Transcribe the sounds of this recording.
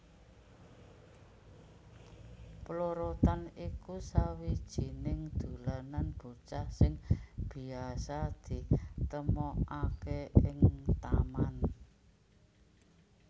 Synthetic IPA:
ploɾot̪anikusawid̥ʒ̥i̤nɪŋd̪̥ṳlananb̥ut͡ʃahsɪŋb̥i̤asad̪̥i̤t̪əmɔakeɪŋt̪aman

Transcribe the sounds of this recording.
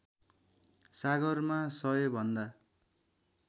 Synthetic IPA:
saɡʌrmasʌjobʱʌnd̪a

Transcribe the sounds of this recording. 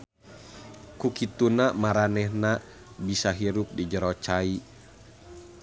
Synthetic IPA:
kukit̪unamaɾanɛhna | bisaɦiɾup̚did͡ʒəɾɔt͡ʃai

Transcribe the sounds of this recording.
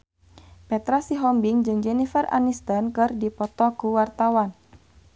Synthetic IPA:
pɛt̪ɾasiɦɔmbiŋd͡ʒɨŋd͡ʒɛnifɛra̰nist̪ɔnkɨrdipɔt̪ɔkuwart̪awan

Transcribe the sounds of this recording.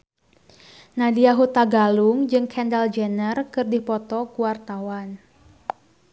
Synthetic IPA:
nadiaɦut̪aɡaluŋd͡ʒɨŋkʰɛndald͡ʒɛnərkɨrdipɔt̪ɔkuwart̪awan

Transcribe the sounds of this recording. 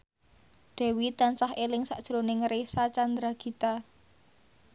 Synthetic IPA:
ɖ̪̥ɛ̤wit̪ansahʔelɪŋsa̰ʔd̥ʒ̥ɾonɪŋɾesat͡ʃand̪ɾaɡ̥i̤t̪a

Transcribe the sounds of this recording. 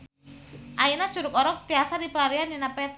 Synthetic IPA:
ʔainḁʒ̥uɾʊkɔɾɔk̚t̪iasadipəlaɾianinapɛt̪

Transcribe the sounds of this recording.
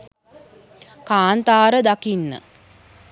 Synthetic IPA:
kaːnt̪aːɾəd̪akinːə̰

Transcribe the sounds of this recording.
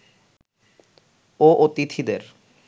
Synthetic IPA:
oʔot̪it̪ʰid̪eɾ

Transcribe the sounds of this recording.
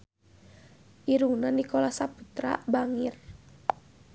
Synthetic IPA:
ʔiɾunandikɔlasapu̥t̪ɾa̰baŋir

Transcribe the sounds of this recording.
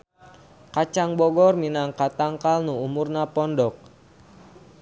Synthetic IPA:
kat͡ʃaŋbɔɡɔrminaŋkat̪aŋkalnuumurnapɔndɔk̚

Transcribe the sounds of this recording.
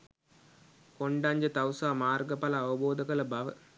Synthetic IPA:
kɔɳɖaːɲd͡ʒɐt̪ɐwsaːmaːɾɡɐpɐlɐːʋɐboːd̪ɐɣɐɭɐbɐʋɐ

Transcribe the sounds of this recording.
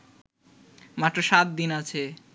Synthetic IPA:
mat̪ːɾoʃat̪̚d̪inat͡ɕʰe

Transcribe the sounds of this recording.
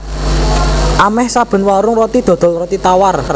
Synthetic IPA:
ʔamɛhsab̥ə̤nwaɾʊŋrɔt̪id̪̥ɔ̤d̪̥ɔ̤lrɔt̪it̪awar

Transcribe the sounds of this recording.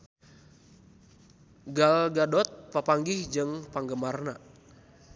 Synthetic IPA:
ɡalɡadɔt̪̚papaŋɡihd͡ʒɨŋpaŋɡəmarna

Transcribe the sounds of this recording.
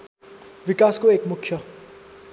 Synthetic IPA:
ʋikaːskoeːkmʊkʰjʌ

